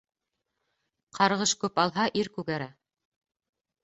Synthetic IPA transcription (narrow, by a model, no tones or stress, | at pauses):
qʰɑɾʁɤʃkʉpɑlˠɦɑʔiɾkʉɡæɾæ